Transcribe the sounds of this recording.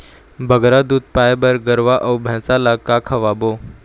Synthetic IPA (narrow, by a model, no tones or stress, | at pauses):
bʱəɡɾad̪uːd̪̚pajbəɾɡəɾʋaʔəwbʱɛ̃ːsalakakʰaʋabo